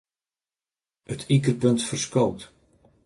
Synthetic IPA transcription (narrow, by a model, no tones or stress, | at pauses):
ətʰikərpɵntfərskowt